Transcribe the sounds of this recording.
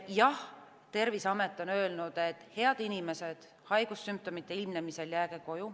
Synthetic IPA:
jɑh | t̪e̞rvisɑmet̪ːˑo̞nø̞ːlnud̪̥et̪ːhe̞ɑd̪̥inime̞se̞d̪̥ | hɑjɡ̥usːymp̚t̪o̞mit̪ːe̞ilmnemise̞ljæːɡ̥eko̞ju

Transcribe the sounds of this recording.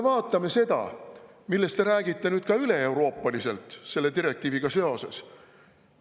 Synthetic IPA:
evɑːt̪ˑːɑme̞se̞d̪̥ɑ̰ | milːe̞st̪e̞ɾæːɡit̪ːe̞nyːd̪̥kɑyle̞e̞wɾo̞ːpːˑɑlise̞̰lt̪ˑse̞lːe̞t̪iɾe̞k̚t̪iːviɡ̥ɑse̞o̞se̞̰s

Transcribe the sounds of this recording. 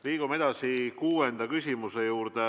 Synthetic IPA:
liːɡ̥ume̞d̪̥ɑsikuːe̞nd̪̥ɑkysʲimuse̞juːɾd̪̥e

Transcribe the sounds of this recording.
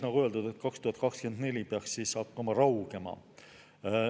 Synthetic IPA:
nɑɡ̥uø̞ld̪ud̪̥e̞t̪kɑkst̪uhɑt̪̚ˑkɑkskend̪ne̞lʲipeɑksːiːsːɑkːɑmɑɾɑwɡ̥e̞mɑ̰

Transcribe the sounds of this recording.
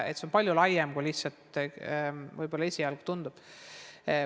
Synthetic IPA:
et̪ːseo̞npɑlʲjulɑjːemkulihsɑlt̪ | vɤjbolːɑesʲijɑlɡ̥t̪und̪ub̥

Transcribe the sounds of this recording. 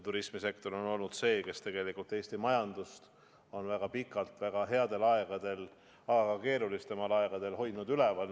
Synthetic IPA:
t̪uɾismise̞kt̪o̞ɾo̞no̞lnud̪̥se̞ːke̞st̪e̞ɡ̥e̞likːˑult̪ːˑe̞ːst̪imɑjɑnd̪̥ust̪ | o̞nvæɡ̥ɑpikˑːɑlt̪væɡ̥ɑɦe̞ɑd̪e̞lɑeɡ̥ɑd̪̥e̞l | ɑɡɑɡɑke̞ːɾulist̪e̞mɑlɑeɡ̥ɑd̪̥e̞lɦo̞jd̪nud̪ylevɑl

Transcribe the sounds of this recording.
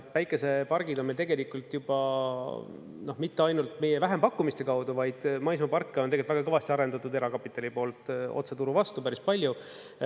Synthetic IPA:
væjkːˑe̞se̞pɑrɡ̥id̪onmelt̪eɡe̞likult̪jub̥ɑ | no̞hmit̪ːeɑjnult̪ˑme̞jevæɦe̞mpɑkːumist̪e̞kɑwd̪uvɑjd̪̥mɑjsmɑpɑrkːeoneelʲt̪væɡɑkɤvɑst̪iɑɾe̞nd̪ɑt̪ːˑud̪e̞ɾɑkɑpːit̪ːˑɑlipo̞ːlt̪ˑo̞̰t̪se̞t̪uɾuvɑst̪upæɾispɑlʲju

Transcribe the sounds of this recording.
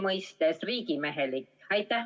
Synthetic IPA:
mɯist̪esriːkimeɦelikɑjt̪ːæ

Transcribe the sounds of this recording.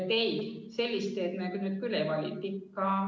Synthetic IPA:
t̪eise̞lʲːist̪eːt̪mekynyt̪̚kylevɑlʲḭt̪ːikːɑ

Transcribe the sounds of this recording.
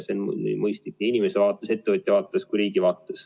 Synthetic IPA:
sen̰nḭmɤjst̪ik̚ːʲiinʲimesevɑːt̪ːˑese̞t̪ːevɨt̪ʲːˑjɑvɑːt̪ːˑeskujɾiːɡ̥ivɑːt̪ːˑes

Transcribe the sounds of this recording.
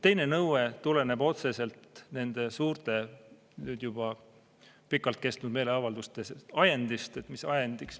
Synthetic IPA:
t̪e̞jne̞nɤwet̪ule̞ne̞b̥o̞t̪se̞se̞lt̪ne̞nd̪̥e̞suːrt̪e̞ | nyːd̪̥jub̥ɑ | pikːˑɑlt̪̚ke̞st̪nud̪me̞ːle̞ɑvɑld̪ust̪eseɑjend̪ist̪et̪misɑjend̪̥iks

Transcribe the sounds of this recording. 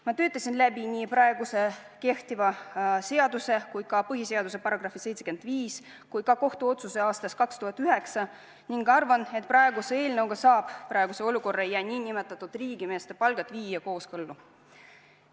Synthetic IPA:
mɑt̪ø̞ːt̪ːˑɑsʲinlæbinʲiːpɾɑeɡ̥use̞ | ke̞ht̪ivɑse̞ɑd̪use̞kujd̪̥kɑpɤɦise̞ɑd̪use̞pɑrɑɡ̥rɑfise̞jt̪sekend̪̥viːs | kujkɑko̞ht̪uo̞t̪suseɑːst̪ɑskɑkst̪uhɑt̪ːˑyɦe̞ksɑ | niŋɡɑrvɑne̞t̪prɑe̞ɡusee̞ːlneowɡ̥ɑsɑːb̥prɑeɡ̥use̞oluko̞rːɑejːæːnʲiːnʲime̞t̪ːˑɑt̪ːud̪̥riːɡ̥ime̞ːst̪epɑlɡ̥ɑt̪ːˑviːjɑko̞ːskɤlːu

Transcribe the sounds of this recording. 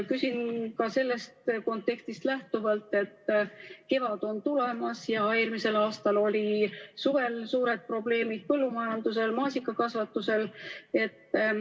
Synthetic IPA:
kysinkɑse̞lːe̞st̪ko̞nt̪ːˑe̞kst̪ist̪læht̪uvɑlt̪ˑe̞t̪ːke̞vɑd̪̥o̞nt̪ulemɑsjɑeːrmise̞lɑːst̪ɑlo̞lʲisuve̞lsuːɾe̞d̪̥̚pro̞ble̞ːmid̪̥̚pɤlːumɑjɑnd̪̥use̞lmɑːsʲikːˑɑkɑsvɑt̪ːˑuse̞le̞t̪ː

